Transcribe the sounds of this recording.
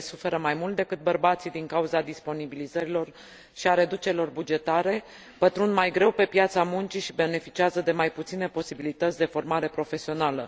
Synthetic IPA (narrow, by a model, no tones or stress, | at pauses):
sufe̞ɾəmajmult̪̚d̪e̞kɨt̪̚bərbat̪sid̪iŋkauzad̪ispo̞nibilizəɾilo̞r | ʃiaɾe̞d̪ut͡ʃe̞ɾilo̞rbud͡ʒe̞t̪aɾe̞ | b̥ət̪ɾund̪majɡɾe̞wpe̞pjat̪samunt͡ʃiʃibe̞ne̞fit͡ʃiazəd̪e̞majput̪sine̞po̞sibilit̪ət̪sʲd̪e̞fo̞rmaɾe̞pɾo̞fe̞sio̞nalə